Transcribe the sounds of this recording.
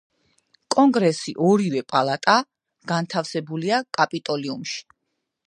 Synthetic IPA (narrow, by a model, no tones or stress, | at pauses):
kʼɔŋɡɾɛsiʔɔɾivɛpʼalˠat̪ʼa | ɡ̥ant̪ʰafsɛbuliakʼapʼit̪ʼɔliumʃi̥